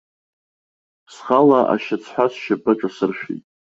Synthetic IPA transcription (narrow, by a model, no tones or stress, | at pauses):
sχalaʔa̰ʃat͡sʰħʷasʃapʰʼɨʈ͡ʂʼasɨrʃᶣḭtʼ